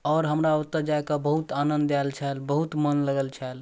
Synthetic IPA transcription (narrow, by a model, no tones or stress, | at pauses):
ɔːɾɦəmɾaut̪ːəɾd͡ʒaekabəɦut̪anənd̪ɛlt͡ʃʰɛlbəɦut̪mənləɡəlt͡ʃʰɛl